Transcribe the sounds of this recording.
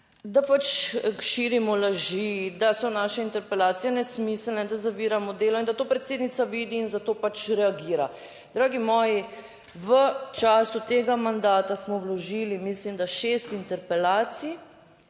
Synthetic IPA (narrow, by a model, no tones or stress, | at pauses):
d̪apat͡ʃʃiːɾimɔlaʒid̪asɔnaːʃɛint̪ɛɾpɛlaːt̪sijɛnɛsmisəlnɛd̪azaʋiːɾamɔd̪eːlɔind̪at̪oːpɾɛt̪seːd̪nit̪saʋiːd̪iːnzat̪oːpat͡ʃɾɛaɡiːɾa | d̪ɾaːɡimɔːji | ʋət͡ʃaːsut̪eːɡamand̪aːt̪asmɔwlɔʒilimislimd̪aʃeːst̪int̪ɛɾpɛlaːt̪si